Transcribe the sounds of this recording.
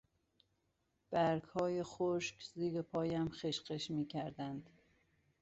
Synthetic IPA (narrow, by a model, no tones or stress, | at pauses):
b̥æɾɡhɒːjexoʃkziːɾepʰɒːjæmxeʃɢeʃmiːcʰæɾd̪ænd̪̥